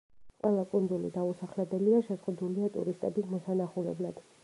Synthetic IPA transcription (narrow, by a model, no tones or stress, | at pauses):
qʼwɛlˠakʼund̪zulḭd̪ausaχlɛbɛliaʃɛzʁud̪uliat̪ʼṵɾist̪ʼɛbismɔsanaχulɛ̰blˠad̪̥